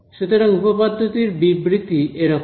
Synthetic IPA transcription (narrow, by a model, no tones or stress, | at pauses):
ʃet̪oɾaŋupopad̪ʱːot̪iɾbibɾit̪ːiʔeɾɔk